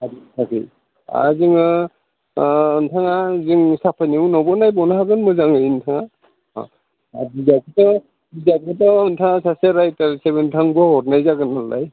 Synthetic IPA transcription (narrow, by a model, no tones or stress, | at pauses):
aditʰakḭ | a̰ziŋɯ | ɯntʰaŋaziŋsapʰaniwnɔbɔnajbɔnaɦaɡɯnmɯzaŋɯjintʰaŋa | a̰ | abizakʰitɔ | bizak̚ʰɯtɔɯntʰaŋasaseɾajtaɾsebɯntʰaŋbɔhɔtnajzaɡɯnalːa̰j